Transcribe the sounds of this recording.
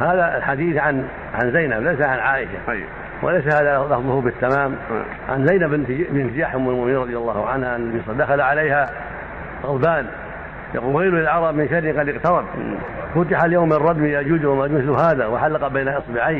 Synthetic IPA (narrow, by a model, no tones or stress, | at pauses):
haːðalħad̪iːθʕan | ʕanzajnablajsaʕanʕaːʔɪʃa̰ | wʔɪ̰lajs̬ahaːðalɑfðˤʊhʊbɪt̪ːamaːm | ʕa̰nzajnabɪbɪnt̪ɪd͡ʒaːħʔʊmalmʊʔmɪniːɾˤɑðˤjɑlˤːɑːhʊʕanhaʕanlbiːsˤɑd̪axalaʕalejha | ɣʊðˤbaːn | ja̰quːlɣeːlulɪlʕɑɾˤɑbmɪnʃadɪqɑd̪ɪqt̪ɑɾˤɑb̚ | fʊt̪ɪħaljowmrˤːɑd̪mijad͡ʒʊːd̪hʊmʔad͡ʒmɪθʊɦaːðawɪħalːɑqɑbaːnaʔɑsˤbɪʕiː